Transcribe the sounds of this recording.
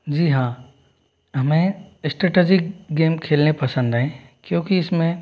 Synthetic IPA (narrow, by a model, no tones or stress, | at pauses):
d͡ʑiːɦãː | ɦɐmẽɪsʈɾeːʈed͡ʑɪk̚ɡeːmkʰeːlnepɐsə̃nd̪aɦẽkjõːkiɪsmẽ